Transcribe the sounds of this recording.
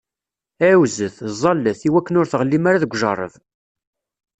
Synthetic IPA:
æwzəθzˤɑlːəθiwækːənʊɾθʁəlːimaɾaðəɡʷʒɑrˤə̰ðˤ

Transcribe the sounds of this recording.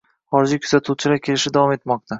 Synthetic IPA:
χɒɾɪd͡ʒɪkʰɵ̥zat̪ʰuwt͡ʃʰɪlaɾkʲʰe̞lɪʃɪd̪avɒme̞t̪mɒq̚t̪ʰa

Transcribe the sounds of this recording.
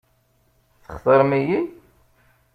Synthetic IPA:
θəχθˤəɾˤmiji

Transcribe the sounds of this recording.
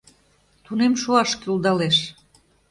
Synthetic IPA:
t̪unemʃuɑʃkyuld̪ɑleʃ

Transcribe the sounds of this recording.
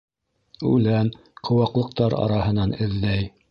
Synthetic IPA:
ʉlæn | qʰŏwɑqlˠɤ̆q̚t̪ɑɾɑ̰ɾɑhɤ̆nɑnɘ̆ðlæj

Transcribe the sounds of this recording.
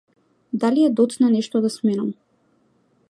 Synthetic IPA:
d̪aliɛd̪ɔt̪snanɛʃt̪ɔd̪asmɛnam

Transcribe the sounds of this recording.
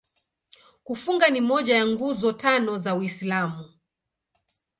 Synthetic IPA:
kufuŋɡanimɔʄajaŋɡuzɔtanɔzawislamu

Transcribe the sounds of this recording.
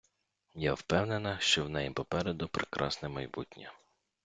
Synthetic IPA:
jawpɛwnenɐʃt͡ʃɔwnɛjipɔpɛɾɛd̪ʊpɾekɾʔɑ̰snɛmɐjbutʲnʲɐ

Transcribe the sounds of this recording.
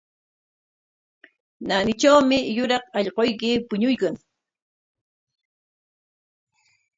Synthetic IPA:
nanɪʈ͡ʂawmɪjʊɾɑqɑʎqojkɪpʊɲʊjkaŋ

